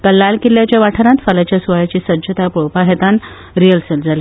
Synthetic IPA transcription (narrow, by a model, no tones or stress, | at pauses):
kəlːalkilːjat͡ɕjaʋaʈʰəɾãt̪falat͡ɕjasʋəjat͡ɕiːsəd͡ʑət̪apuɭpaɦet̪an | ɾijəlseld͡zali